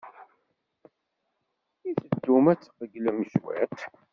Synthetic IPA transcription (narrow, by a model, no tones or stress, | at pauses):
iθəd̪ːumæt͡sːə̥qəɡlæməʃwæ̰t̪